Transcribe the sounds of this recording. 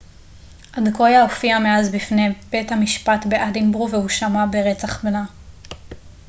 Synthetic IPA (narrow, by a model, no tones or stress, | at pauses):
ʔadko̞jaofiameazbifneb̥e̞thamiʃpatbe̞ʔadimbʁuvehuʃamabeʁet͡saχbela